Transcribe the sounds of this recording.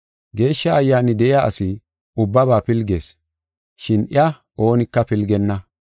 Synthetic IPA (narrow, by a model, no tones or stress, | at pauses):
ɡe̞ːʃːɐɐjːaːnɪd̪ɛʔɪjaːʔɐ̰sɪ | ʊbːɐβaːpɪlɡeːs | ʃɪnʔɪɐ | ʔo̞ːnɪkːɐpɪlɡɛnːɐ